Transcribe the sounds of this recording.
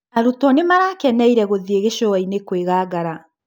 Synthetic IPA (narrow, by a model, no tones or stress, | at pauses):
aɾutɔnemaɾaːkɛnɛiɾɛɣoðieɣeʃɔainekweɣaːɡaɾa